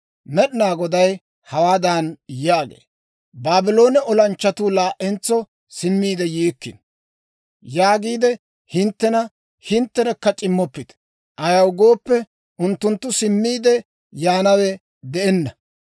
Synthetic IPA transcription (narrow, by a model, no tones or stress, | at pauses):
mɛɗɪnaːɡɔd̪ɐj | hɐwaːd̪anjaːɡḛː | baːbɪlo̞ːnɛʔɔlɐnt͡ʃːɐt̪uːlaːʔɛnt͡sːɔ | sɪmːiːd̪ɛjiːkːɪ̰n | jaːɡiːd̪ɛ | hɪnt̪ːɛnɐ | hɪnt̪ːɛɾɛkːɐt͡ʃʼɪmːɔpːɪt̪ | ʔɐjɐwɡo̞ːpːɛ | ʔʊnt̪ːʊnt̪ːʊsɪmːiːd̪ɛ | jaːnɐwɛ | d̪ɛʔɛnːɐ